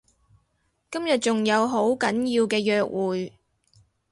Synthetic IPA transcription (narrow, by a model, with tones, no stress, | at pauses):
kɐ˥mjɐ˨t̚t͡sʊ˨ŋjɐ˨˧wɦo˨˥wkɐ˨˥njiː˧wkɛː˧jœː˧k̚wʔuː˨j